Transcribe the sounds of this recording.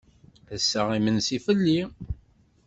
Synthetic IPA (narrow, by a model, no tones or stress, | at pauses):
θəsːəʁimənsifəlːi